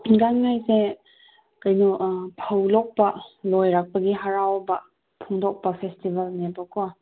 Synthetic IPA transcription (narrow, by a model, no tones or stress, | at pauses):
ɡannajse | kajnuʔpʰawlɔk̚palɔjɾak̚paɡiɦaɾawba | pʰuŋdɔk̚papʰestibalnebaka